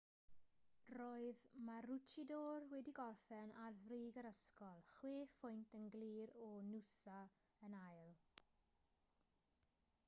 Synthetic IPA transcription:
roːɨðmarʊt͡ʃʰidoːrwɛdiɡɔrfɛnarvriːɡəɾəskɔlˠχweːfʊjntʰənɡliːɾɔnusa | ənajlˠ

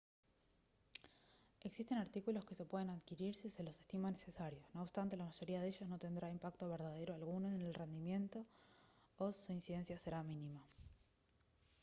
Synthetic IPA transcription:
eksist̪e̞naɾt̪ikulo̞ske̞se̞pwe̞ð̞enaðkiɾiɾsise̞lo̞se̞st̪imanese̞saɾjo̞sno̞ːpst̪ant̪e̞lamaʒo̞ɾiaðeʃosno̞t̪e̞nd̪ɾaimpakt̪o̞βeɾðað̞e̞ɾoalɣunoenelre̞nd̪imje̞nt̪o̞ː | suinsiðe̞nsjase̞ɾaminima

